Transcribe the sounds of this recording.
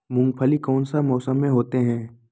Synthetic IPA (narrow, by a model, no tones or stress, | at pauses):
mʊ̃ŋɡ̚pʰəlikɔːnsamɔːsəmːẽɦoːt̪eɦɛ̃ː